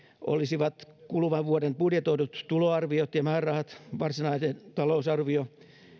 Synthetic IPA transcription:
ʔo̰lisiʋɑt̪kulʋɑʋʋuodempudjet̪oinut̪t̪uloɑrʋiot̪jɑmæːrˑɑhɑt̪ʋɑrsinɑisent̪ɑlousɑrʋio

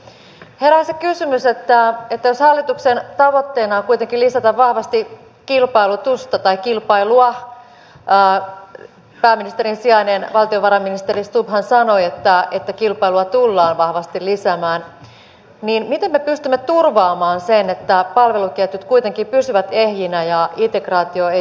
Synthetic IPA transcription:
heɾæɑsekysymyset̪ːæet̪ːæjoshɑlːit̪uksent̪ɑʋo̞t̪ːe̞ːnɑːkuijt̪eŋkilisæt̪æʋʋɑhʋɑst̪i | kilpɑilut̪ust̪ɑt̪ɑikilpɑiluɑ | pæːmːinist̪eɾinsiɑjnenʋɑlt̪ioʋɑɾɑminist̪erist̪uphænsɑnoiet̪ːæet̪ːækilpɑiluɑt̪ulːɑːnʋɑhʋɑst̪ilisæmæːn | niːnmit̪emːepyst̪ymːet̪urʋɑːmɑːnsenet̪ːæpɑlʋelukiæt̪ːyt̪kuit̪eŋkipysyʋæt̪ehjinæjɑit̪ekrɑːt̪ioe

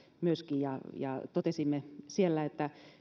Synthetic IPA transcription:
myøskijjɑjɑ̰t̪ot̪esimːesielːæet̪ːæ

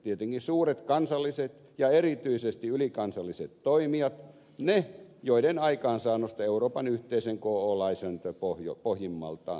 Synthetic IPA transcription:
t̪iet̪eŋkisuːret̪kɑnsɑlːiset̪ | jɑerit̪yisest̪iylikɑnsɑlːiset̪toimiɑt̪ | nejoiɾenɑikɑːnsɑːnost̪ɑeuroːpɑnyht̪eiseŋkoːoːlɑisønt̪øpohjo̰pohjimːɑ̰lt̪ɑ̰ː

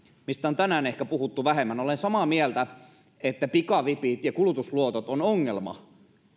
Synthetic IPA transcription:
mist̪æont̪ænæːnehkæpuhut̪ːuʋæhemːænolensɑmɑːmiælt̪æ | et̪ːæpikɑʋipit̪jɑkulut̪usluot̪ot̪onoŋːelmɑ̰

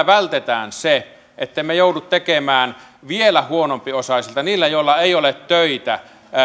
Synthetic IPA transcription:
ʋælt̪et̪æ̰ːnse | et̪ːeimejoˑudut̪t̪ekemæːn | ʋielæhuonompiosɑˑsilt̪ɑniːlːæjoˑilːɑeˑiolet̪tøit̪æ̰

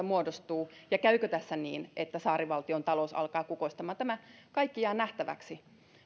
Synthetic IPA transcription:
ɑmuodost̪uːjɑkæykøt̪æsːæniːnet̪ːæsɑːɾiʋɑlt̪iont̪ɑlousɑ̰lkɑːkukoist̪ɑmɑːnt̪æmækɑikːiɑːnæht̪æʋæ̰ksi

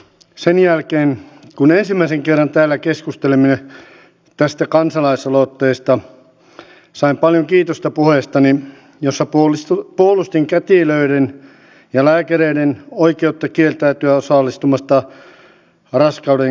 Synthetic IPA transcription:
senjælkeːnkunensimːæˑiseŋkerːɑnt̪æːlːækeskust̪elemine | t̪æst̪ækɑnsɑlɑisɑlot̪ːeist̪ɑ | sɑimpɑljoŋkiːt̪ost̪ɑpuheˑst̪ɑni | josːɑpuolust̪iŋkæt̪iløiɾen | jɑlæːkæreidenoikeut̪ːɑkielt̪æyt̪yæosɑˑlːˑist̪umɑst̪ɑ | rɑskɑuɾe

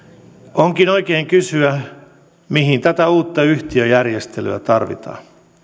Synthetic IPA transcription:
oŋkinoikeːŋkysyæ | miɦint̪æt̪æuːt̪ːɑyht̪iøjærjest̪ely̰æt̪ɑrʋḭt̪ɑ̰ː

